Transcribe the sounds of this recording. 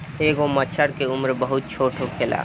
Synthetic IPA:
eɡomət͡ʃʰəɽkeumɾbəɦut̪̚t͡ʃʰoʈʰokʰela̰

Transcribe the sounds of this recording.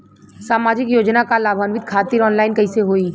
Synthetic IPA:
saːmaːd͡ʒɪkjoːd͡ʒnakalaːbʱaːnʋɪd̪̚kʰaːt̪ɪɾɔːnlaːɪnkɐiseɦoːiː

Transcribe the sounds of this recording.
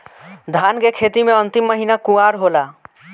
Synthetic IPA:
d̪ʱaːnkekʰeːt̪imẽənt̪imːəɦinakuaːɾɦola

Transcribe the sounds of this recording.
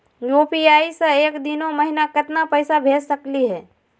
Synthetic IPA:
joːpiaːiseeːkd̪ɪnomɐɦɪnakɪt̪napəɪsabʱeːd͡ʒsəkliɦɛː

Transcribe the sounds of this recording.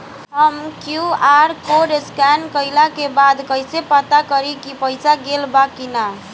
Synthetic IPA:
ʌmkjuaɾkoɖeskankʌjlakebad̪kʌjsepʌt̪akʌɾikipʌjsaɡelbakina

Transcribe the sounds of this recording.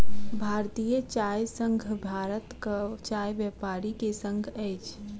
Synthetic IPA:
bʱaːɾt̪ijət͡ʃaːjsə̃ŋɡʱbʱaːɾət̪kat͡ʃaːjbɛpaːɾikesə̃ŋɡʱɛɪt͡ʃʰ

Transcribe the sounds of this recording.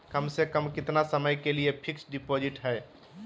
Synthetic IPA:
kəmsekəmkɪt̪nasəməjkeliepʰɪksɖipod͡ʒɪʈɦɛː

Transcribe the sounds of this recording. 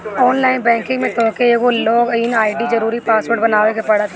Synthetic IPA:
ɔːnlaːɪnbɛ̃ːŋkɪ̃ŋɡmẽt̪oːkeekoloːɡɪnaːɪɖid͡ʒɐɾuːɾipaːsʋoʈbɐnaːʋekepɐɽat̪ʰ

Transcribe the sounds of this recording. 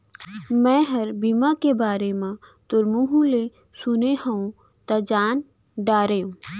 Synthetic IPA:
mɛ̃ːɦəɾbimakebaːɾemãt̪ʊɾmuɦũle | sʊnehəũ | t̪ɐd͡ʒaːn | ɖaːɾejũː

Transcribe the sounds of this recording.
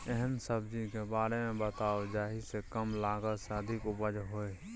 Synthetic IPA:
ɛɦənsəbd͡ʒikebaːɾemẽbət̪aːod͡ʒaːɦisekəmlaːɡəlseəd̪ʱɪkʊbəd͡ʒɦoːe

